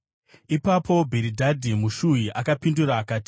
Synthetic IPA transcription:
ipapʰo̞bʱeɾidʱadʱimuʃujiʔakapinduɾaːkaːti̥

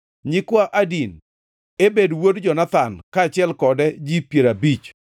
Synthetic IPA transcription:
ɲɪkwaʔadin | ebedwodd͡ʒɔnat̪ankaːt͡ʃɪɛlkɔdɛd͡ʒipjeɾabit͡ʃ

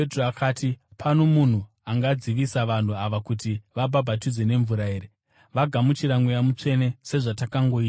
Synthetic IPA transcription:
etroakaːtipʰano̞mun̤u | aŋɡad͡ziʋisaʋan̤uaʋakutiʋabʱabʱatid͡ze̞ne̞ɱvuɾae̞ːɾe | ʋaɡʱamut͡ʃiɾaŋɡejamut͡ʂe̞ne̞se̞ʐatakaŋɡo̞iːta

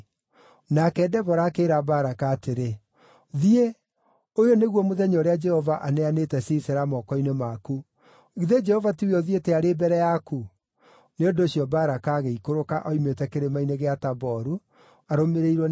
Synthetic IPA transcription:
nakɛːdɛβɔɾaːkeɾabaɾakaːteɾe | ðie | ojoneɣwɔmoðɛɲɔɾead͡ʒɛhɔvaʔanɛanetɛsisɛɾamɔːkɔinemaku | ɣiðed͡ʒɛhɔvatieɔðieteaɾeːbɛɾɛjaku | neondoːɕjɔbaːɾakaːɣeikoɾokaʔɔimetɛkeɾemaineɣeatabɔɾu | aɾomeɾeiɾwɔ

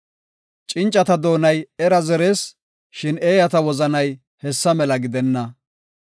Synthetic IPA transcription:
t͡ʃʼɪnt͡ʃʼːɐt̪ɐd̪o̞ːnɐjɛɾɐzɛɾeːs | ʃɪne̞ːjɐt̪ɐwɔzɐnɐj | hɛsːɐmɛlɐɡɪd̪ɛnːɐ

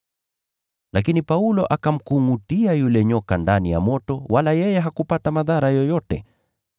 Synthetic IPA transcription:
lʔakinipaulɔʔakam̩kuŋɡutiajulɛɲɔkandanija̰mɔtɔwalajɛjɛɦakupatamaðaɾajɔjɔtɛ̰

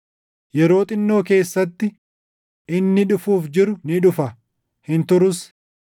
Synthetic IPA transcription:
jɛɾo̞ːt̪ʼɪnːo̞ːke̞ːsːɐt̪ːɪ | ɪnːɪᶑʊfuːfd͡ʒɪɾʊnɪᶑʊfɐ | hɪnt̪ʊɾʊs

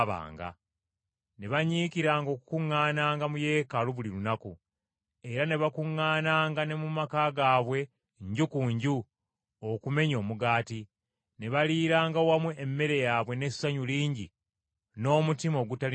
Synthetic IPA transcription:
βa̰ːŋɡa̰ | ne̞βaɲiːkiɾaːŋɡo̞ːkukuŋːaːnaːŋɡamuje̞ːkaluβuliɾunaku | e̞ɾane̞βakuŋːaːnaːŋɡane̞mumakaɡaːβwe̞ | ɲɟukuɲɟu | okume̞ɲo̞ːmuɡaːti | ne̞βaliːɾaːŋɡawamweʔːmːe̞ɾe̞jaːβwe̞ne̞saɲuliːɲɟi | no̞ːmutimo̞ːɡutal

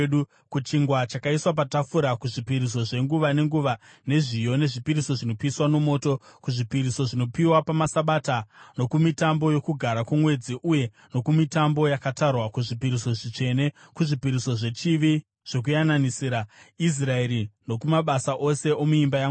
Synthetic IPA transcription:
ɗu | kut͡ʃiŋɡwat͡ʃakaiswap̬atafuɾakuʐipiɾis̬o̞ʐe̞ŋɡuʋane̞ŋɡuʋa | ne̞ʐijo̞neʐipiɾiso̞ʐino̞piswano̞mo̞ːto̞kuʐipiɾiso̞ʐino̞piwapamasaɓatano̞kumitambo̞jo̞kuɡʱaɾakumwe̞d͡ziʔuje̞ | no̞kumitambo̞jakatarwakuʐipiɾiso̞ʐit͡ʂe̞ne̞ | kuʐipiɾisoʐe̞t͡ʃiʋi | ʐ̥ok̬ujananisiːɾais̬raeɾino̞kumaɓasaʔose̞ʔomuimbajaŋ

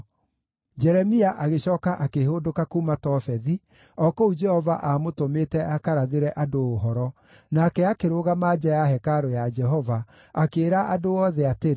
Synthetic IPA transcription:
d͡ʒɛɾɛmiaʔaɣeɕɔːkaʔakehodokakuːmatɔfɛði | ɔkoud͡ʒɛhɔvaʔamotometɛʔakaɾaðeɾɛʔadoːɦɔɾɔ | naːkɛakeɾoɣamaːd͡ʒɛjaɦɛkaɾojad͡ʒɛɦɔva | akeːɾaʔadoɔðɛateɾe

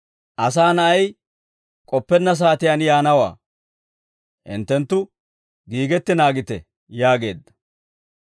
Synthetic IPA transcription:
ʔɐs̬aːnɐʔɐj | kʼɔpːɛnːɐs̬aːt̪ɪjanjaːnɐwa̰ː | hɪ̰nt̪ːɛnt̪ːʊ | ɡiːɡɛt̪ːɪnaːɡɪt̪ɛ | jaːɡe̞ːd̪ːɐ̥

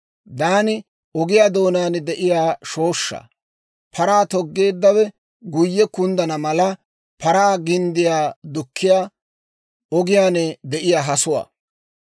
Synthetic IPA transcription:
d̪aːnɪ | ɔɡɪjaːd̪o̞ːnaːnd̪ɛʔɪjaːʃo̞ːʃːa̰ | pʰɐɾaːt̪ɔɡːe̞ːd̪ːɐwɛ | ɡʊjːɛkʊnd̪ɐnɐmɐlɐ | pɐɾaːɡɪnd̪ɪjaːd̪ʊkʰːɪjaː | ɔɡɪjaːnɛd̪ɛʔɪjaːɦɐsʊwa̰ː

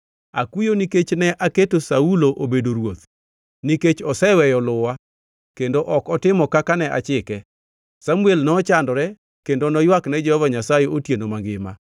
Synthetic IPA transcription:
a̰kujoniket͡ʃnɛʔaketosauloʔobedoɾwot̪ | niket͡ʃɔsɛwɛjɔlʊwa | kendoʔɔkɔtɪmɔkakanɛʔa̰t͡ʃɪkɛ | samuelnɔt͡ʃandɔɾɛ | kendonɔjwaknɛd͡ʒɛhɔvaɲasajeotjenomaŋɡɪma̰

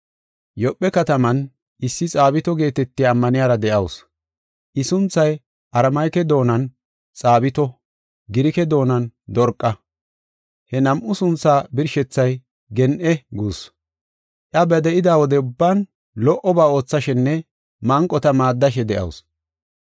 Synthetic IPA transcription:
jɔpʼːɛkɐt̪ɐmɐn | ʔɪsːɪt͡sʼaːbɪt̪ɔɡe̞ːt̪ɛt̪ːɪjːmːɐnɪjaːɾɐd̪ɛʔɐws | ʔɪsʊnt͡sːɐj | ʔɐɾɐmɐjkɛd̪o̞ːnɐn | t͡sʼaːbɪt̪ɔ | ɡɪɾɪkɛd̪o̞ːnɐnd̪ɔɾkʼːɐ | hɛnɐmʔʊsʊnt͡sːaːbɪɾʃɛt͡sːɐj | ɡɛnʔɛɡuːs | ʔɐbɛd̪ɛʔɪd̪aːwɔd̪ɛʊbːaːn | lɔʔɔbaːo̞ːt͡sːɐʃɛnːɛ | mɐŋkʼːɔt̪ɐmaːd̪ːɐʃ̬ɛd̪ɛʔɐ̰ws

